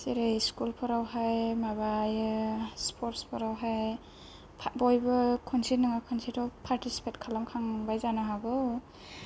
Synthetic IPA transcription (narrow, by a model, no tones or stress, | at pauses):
siɾejskulpʰɔɾawɦajmabajspʰɔɾtspʰɔɾawɦaj | pʰbɔjbɯkʰɔnsitnɯŋakʰɔnsitʰɔwpʰaɾtisi̥pʰetkʰalamkʰaŋbajzanaɦaɡɯw